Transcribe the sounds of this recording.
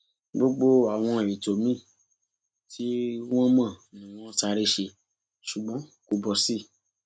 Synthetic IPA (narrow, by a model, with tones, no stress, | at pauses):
ɡ͡bo˦ɡ͡bo˦a˨w̃ɔ̃˧˨i˨to˨mĩ˦˨ | tʰi˦w̃ɔ̃˦mã˦˨nĩ˨w̃ɔ̃˦ta˧ɾe˦ʃe˧ | ʃu˨ɡ͡bɔ̃˨˦ko˧bɔ˧si˦˨